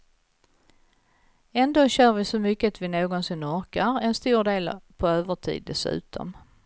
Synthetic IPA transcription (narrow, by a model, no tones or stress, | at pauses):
ɛnd̪oːɕœːɾvɪsɔmʏkːəat̪vɪnoːɡɔnsɪnːɔɾkaɾɛnst̪uːɖ̪eːlpʰɔøːvəʈʰḭːd̪ːɛsʉ̟̰ːt̪ʰɔ̰m